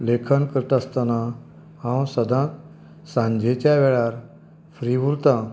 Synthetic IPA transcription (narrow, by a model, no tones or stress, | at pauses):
lekʰənkəɾt̪əst̪ana | hãwsəd̪ʱãt̪ | sãɲd͡ʑet͡ɕjaʋɛɭaɾ | fɾiʋuɾt̪a